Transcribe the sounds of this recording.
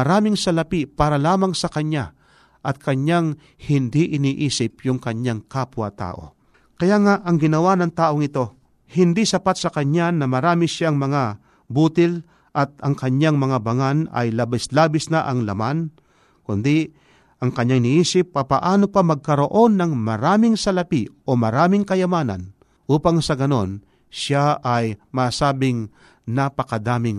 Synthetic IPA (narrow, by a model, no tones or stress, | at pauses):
mɐɾaːmɪŋsɐlɐpipaːɾɐlaːmɐŋsɐkɐɲa | ʔɐt̪̚kʰɐɲjaŋ | hɪnd̪iʔɪniːʔiːsɪp̚jʊŋkɐɲaŋkapwɐ̰t̪a̰ːʔo̞̰ | kɐjaːŋaʔɐŋɡɪnɐwanɐŋt̪aːʔoŋɪt̪o̞ | hɪnd̪isɐpat̪̚sɐkɐɲanɐmɐɾaːmɪʃaŋmɐŋa | buːt̪ɪl | ʔɐt̪̚ɐŋkɐɲaŋmɐŋabɐŋanɐ̰jlabɪslaːbɪsnɐʔɐŋlɐ̰man | kʊnd̪ɪ | ʔɐŋkɐɲːaŋnɪʔiːsɪpːapɐʔaːno̞pɐmɐɡ̚kɐɾo̞ʔo̞nːɐŋmɐɾaːmɪŋsɐlɐpiʔo̞mɐɾaːmɪŋkɐjɐmaːnɐ̰n | ʔuːpaŋsɐɡɐno̞n | ʃaʔɐjmaːsaːbɪŋ | nɐpɐkɐd̪aːmɪŋ